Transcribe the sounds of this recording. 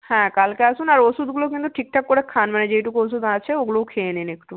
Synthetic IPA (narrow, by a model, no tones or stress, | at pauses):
hɛ̃kalkeaʃunaɾoʃud̪ɡulokint̪uʈʰik̚ʈʰakːoɾekʰanmaned͡ʑejʈukoʃ̬ud̪at͡ɕʰeoɡulokʰeeninekʈu